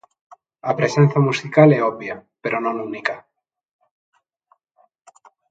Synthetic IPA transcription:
apɾesen̟θjamusikaleoβjapeɾonõnunika

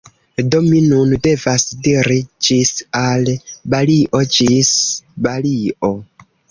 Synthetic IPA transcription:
do̞minunde̞vasdiɾid͡ʒisalbaliʔo̞d͡ʒisbaliʔo

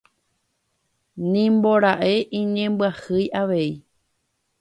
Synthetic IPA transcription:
nĩmbo̞ɾaʔe̞ʔĩɲẽ̞mbwahɨjʔaʋe̞i

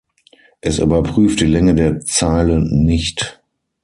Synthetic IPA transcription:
ʔɛsʔy̰ːbɐpʁ̥yːft̚d̥iːlɛŋədeːɐt͡saːlənnɪçt

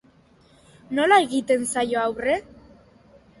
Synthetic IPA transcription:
no̞lae̞ɣit̪e̞nsajo̞awre̞

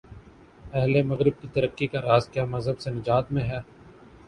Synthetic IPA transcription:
ɛɦlemɐɣɾɪb̚kit̪ɐɾəqːikaɾaːzkjaːmɐzɦəbsenɪd͡ʒaːt̪mẽɦɛː

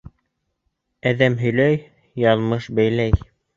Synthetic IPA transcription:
æðæmɦɵ̆jlæj | jɑlˠmɤʃbæjlæj

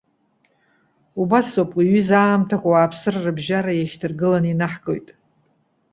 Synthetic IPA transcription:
ubasopʼiɥizaːmtʰaχʷʼawaːpʰsɨrarɨbʒaɾajaʃtʰɨrɡɨlaninaħɡʼo̞jtʼ

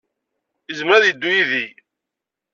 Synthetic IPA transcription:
izmɾæðjəd̪ːujiði

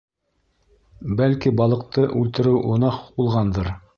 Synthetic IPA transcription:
bælkibɑlˠɤ̆qt̪ɤʔʉlt̪ɘ̆ɾɘwʔŏnɑqq̚bulˠʁɑnd̪ɤɾ

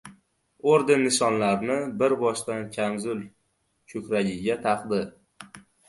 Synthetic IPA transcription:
oɾd̪ɪnːɪʃɒnlaɾnɪbɪɾbɒʃt̪ankʲʰamzʊl | kʰɵkʲɾaɡʲɪɡʲat̪ʰɑqd̪ɪ

